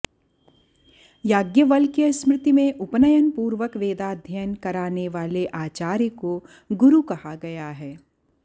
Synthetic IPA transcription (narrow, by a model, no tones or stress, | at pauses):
jaːɡjəʋəlkesmɾɪt̪imẽʔʊpnəjənpuːɾʋəkʋeːd̪ad̪ʱjənkɐɾaːneʋaːleʔaːt͡ʃaːɾjəko | ɡʊɾukɐhaɡɐjaɦɛː